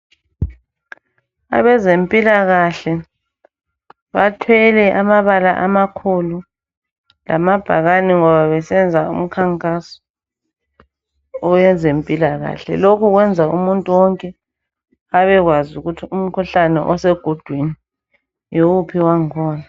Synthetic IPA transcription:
a̰βɛzempʼilaɣaɬɛ | βatʰwɛlɛʔamaβalaʔamakʰulu | la̰mab̥ʱaɣaniŋɔβaβɛsɛnd͡zʱaṵm̩kʰaŋkʼasɔ̥ | ɔjɛnd͡zʱempʼilaɣa̰ɬɛ̰lokʰuɣwɛnd͡zʱaṵmuntʼuwɔŋkʼɛ | aβɛɣwazuɣutʰium̩kʰuɬanɛ̰ʔɔsɛɡ̥ʱod̥ʱwini | jokupʰiwaŋkʰɔːna

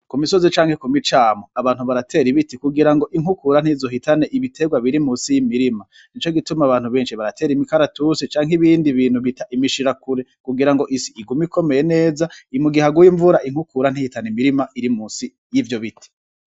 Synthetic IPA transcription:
kumiso̞zit͡ʃaːŋ̥he̞kumit͡ʃaːmoaβaːnhuβaɾatʰe̞ːɾiβitikuɡiɾaŋɡo̞ʔiŋ̥ukuɾan̥iːvzo̞ɦitane̞ʔiβitʰe̞ɡwaβiɾimuːnsijimiɾima | nit͡ʃo̞ɡitumaaβaːn̥huβe̞ːnʃiβaɾatʰe̞ːɾimikaɾatusit͡ʃaːŋɦiβiːndiβiːn̥huβitaʔimiʃiɾakuɾe̞kuɡiɾaŋɡo̞ʔisiːɡumiko̞me̞jene̞ːzaimuɡihaɡujiɱvuɾaʔiŋ̥hukuɾan̥ihitanimiɾimaʔiɾimuːsi | jiːvjo̞βitʰi̥

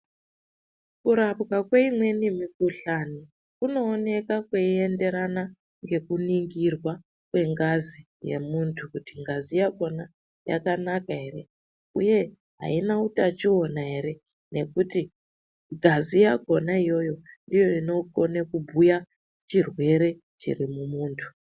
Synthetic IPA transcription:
kuɾapkakweimwe̞nimikuɬani | kuno̞ːne̞kakweie̞nde̞ɾana | ŋɡe̞kuniŋɡirwa | kwe̞ŋɡazi | je̞̰muntʰukutiŋɡazijaɡʱo̞na | ja̰kanakaɦe̞re̞ | uje̞ | ɦa̰inautat͡ʃio̞naɦe̞ɾe̞ | ne̞kuti | ŋɡʱazijaɡʱo̞naijo̞jo̞ndijo̞ino̞konekubʱuja | t͡ʃirwe̞ɾe̞ | t͡ʃḭrimumuːntʰu̥

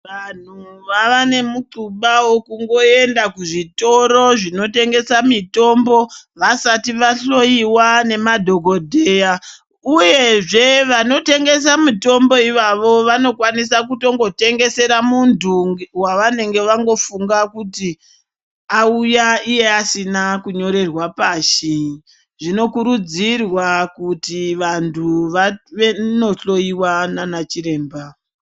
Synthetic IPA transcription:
ʋan̤uʋaʋane̞muǃuɓawokuŋɡo̞e̞ndakuʐito̞ɾo̞ʐino̞te̞ŋɡe̞samito̞mbo̞ʋasatiʋaɬo̞iwane̞madʱo̞ɡo̞dʱe̞ːja | uje̞ʐe̞ʋano̞te̞ŋɡe̞s̬amito̞mbo̞iʋaʋo̞ʋano̞kwanis̬akuto̞ŋɡo̞te̞ŋɡe̞se̞ɾamuntuwaʋane̞ŋɡe̞ʋaŋɡo̞fuŋɡakuti | aujaije̞asinakuɲo̞ɾe̞rwapaʃi | ʐino̞kuɾud͡zirwakutiʋantʰuʋaʋeno̞ɬo̞iwananat͡ʃiɾe̞ːmba

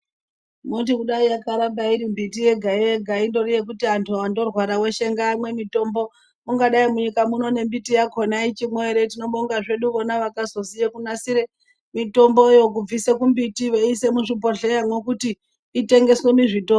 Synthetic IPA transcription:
mutikuɗaijakaɾabaiɾimbitije̞ɡʱajeɡʱaindo̞rije̞k̬utiantʰuando̞rwaɾawe̞ʃe̞ŋɡaːmwe̞mito̞mbo̞ | muŋɡaɗaimuɲikamuno̞ne̞mbitijakʰonait͡ʃimwe̞ɾe̞tino̞ɓoŋɡaʐe̞ɗuʋonaʋakazo̞sijekunasiɾe | mito̞mbo̞jo̞k̬ub͡visekumbitiʋeise̞muʐipoɮe̞jamwe̞kutiː | te̞ŋɡe̞sweniʐito

